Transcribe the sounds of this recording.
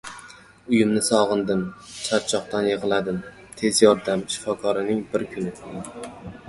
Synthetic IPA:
ʊjɪmnɪsɒʁɨnd̪ɪmt͡ʃʰaɾt͡ʃʰɒq̚t̪anjeʁɨlˠad̪ɪm | t̪ʰe̞zjɒɾd̪amʃɪ̥fɒkʰɒɾɪnɪŋbɪɾkʲʰʊnɪ

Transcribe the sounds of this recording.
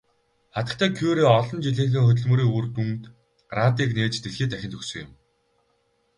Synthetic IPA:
χat̪ə̆k̚t̪ʰæːkʰuːɾeːɔɮɞ̆nt͡ɕiɮiːxɘ̆ŋxɵt̪̬ɵ̆ɮmɵ̆ːɾiːurt̪unt̪ | rat̪iːkneːt͡ɕt̪eɮxiːt̪æxʲɪnt̪ʰɵksɵ̆ŋʊ̰̆m

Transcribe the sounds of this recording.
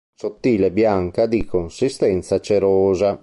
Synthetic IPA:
sot̪ːiːlɛbjaŋkad̪ikonsist̪ɛnt̪sat͡ʃeɾɔːza

